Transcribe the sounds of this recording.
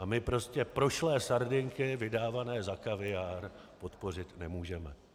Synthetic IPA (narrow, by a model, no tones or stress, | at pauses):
ʔamɪpɾo̞scɛpɾo̞ʃlɛːsaɾdɪŋkɪvɪdaːvanɛːzakavɪjaːɾ | po̞t̪po̞r̝ɪt̪nɛmuːʒɛmɛ